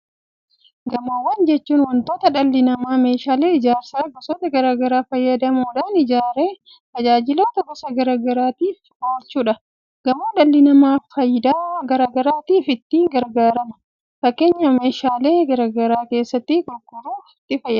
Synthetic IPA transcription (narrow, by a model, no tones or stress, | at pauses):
ɡɐmoːwɐnd͡ʒɛt͡ʃːuːnwɐnt̪o̞ːt̪ɐᶑɐlːɪnɐmaːme̞ːʃaːle̞ːɪd͡ʒaːɾsɐɐɡɐsoːt̪ɐɡɐɾaːɡɐɾaːfɐjːɐd̪ɐmuːᶑɐnɪd͡ʒaːɾeː | t̪ɐd͡ʒaːd͡ʒɪloːt̪ɐbɐsɐɡɐɾaːɡɐɾaːt̪iːfɡoːlt͡ʃːuːᶑɐ | ɡ̥ɐmoːᶑɐlːɪnɐmaːfɐjd̪aːɡɐɾaːɡɐɾaːt̪iːfɪt̪ːiːŋɡɐɾɡaːɾɐmɐ̥ | fɐkːe̞ːɲːɐme̞ːʃaːle̞ːɡɐɾaːɡɐɾaːke̞ːsːɐt̪ːɪɡʊlɡʊɾuːɪt̪ːɪfɐjːɐ